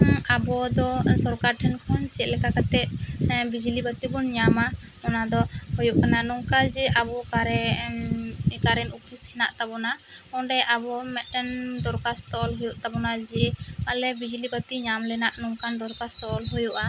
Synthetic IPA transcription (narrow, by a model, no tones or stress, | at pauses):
abɔd̪ɔsɔɾkaɾʈʰɛnkʰɔnt͡ʃɛt̪̚lɛkakat̪ɛt̪̚bid͡ʒlibat̪ibɔnɲama | ɔnad̪ɔhɔjuʔkanaʔnɔŋkad͡ʒɛʔabɔkaɾɛ | kaɾɛnupʰishɛnaʔt̪abɔna | ɔɖɛʔabɔmɛʈɛnd̪ɔɾkast̪ɔlɦɔjuʔt̪abɔnad͡ʒɛalɛbid͡ʒlibat̪iɲamlɛnaʔnɔŋkand̪ɔɾkast̪ɔʔlɦujuʔa